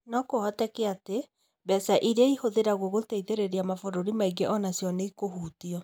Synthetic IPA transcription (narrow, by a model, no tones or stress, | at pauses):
nɔkohɔtɛkɛate | bɛsaʔiɾeihoðeɾaɣoɣoteiðeɾeɾiamafoɾoɾimaiɡeʔɔnasjɔneikohuːtiɔ